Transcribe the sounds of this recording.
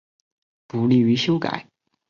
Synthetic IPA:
pu˨˩li˥˩y˧˥ɕjo˥ʊka̰˨˩˦ɪ

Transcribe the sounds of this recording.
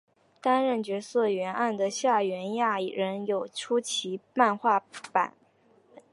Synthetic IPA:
t̪a˥nɻə˥˩nt͡ɕɥɛ˧˥sɤ˥˩ɥɛ˧˥nʔa˥˩nd̪ə˩ɕja˥˩ɥɛ˧˥nja˥˩˨ɻə˧˥njo˨˩ʊʈ͡ʂʰu˥t͡ɕʰi˧˥pa˥˧nxwa˥˩pa̰˨˩˦n

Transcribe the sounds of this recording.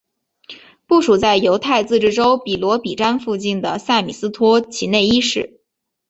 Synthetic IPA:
pu˥˩ʂu˨˩t͡sa˥˩ɪjo˧˥ʊt̪ʰa˥˧ɪt͡sɹ̩˥˧ʈ͡ʂɻ̩˥˩˧ʈ͡ʂo˥ʊpi˨˩lwɔ˧˥pi˨˩ʈ͡ʂa˥nfu˥˧t͡ɕi˥˩nd̪ə˩sa˥˩mi˨˩sɹ̩˥t̪ʰwɔ˥t͡ɕʰi˧˥ne˥˩ɪi˥ʂɻ̩˥˩

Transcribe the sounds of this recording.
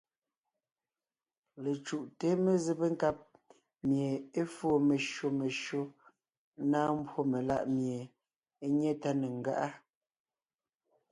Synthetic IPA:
le˨t͡ʃu˨ʔte˦me˨ze˦pe˦ŋ̩˦ka˦p̚ | mje˨e˦foː˦˨me˨ʃo˨me˨ʃo˦ | naː˦m̩˦bwo˦me˨la̰˦ʔmje˨ | e˦ɲɛ˦ta˦ne˨ŋ̩˨ɡa̰˦ʔa˦

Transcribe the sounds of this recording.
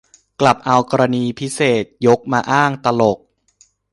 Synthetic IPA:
kla˨˩p̚ʔa˧wkɔː˧ɾa˧niː˧pʰi˦˥seː˨˩t̪̚jo˦˥k̚maː˧ʔaː˥˩ŋt̪a˧lo˨˩k̚

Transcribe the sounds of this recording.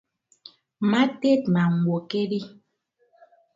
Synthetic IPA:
ma˦te˦t̚ma˨ŋ˨wo˨ke˦ɾi˦

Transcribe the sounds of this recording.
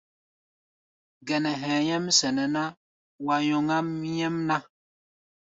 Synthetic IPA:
ɡɛ˨nɛ˨ɦɛ̃ː˨ɲɛ˦msɛ˨nɛ˨na˦ | wa˨jɔ˨ŋa˦mɲɛ˦mna˦

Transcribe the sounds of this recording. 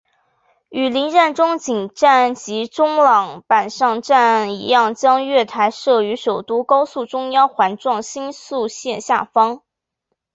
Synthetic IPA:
y˨˩li˧˥nɻa˥˩nʈ͡ʂʊ˥ŋt͡ɕi˨˩ŋʈ͡ʂa˥˩nt͡ɕi˧˥ʈ͡ʂʊ˥ŋlɑ˨˩ŋpa˨˩nʂɑ˥˧ŋʈ͡ʂa˥˩nḭ˧˥jɑ˥˩ŋt͡ɕjɑ˥ŋɥɛ˥˩t̪ʰa˧˥ɪʂɤ˥˩y˧˥ʂo˨˩ʊt̪u˥kɑ˥ʊsu˥˩ʈ͡ʂʊ˥ŋjɑ˥ŋxwa˧˥nʈ͡ʂwɑ˥˩ŋɕi˥nsu˥˧ɕjɛ˥˧nɕja̰˥˩fɑ˥ŋ

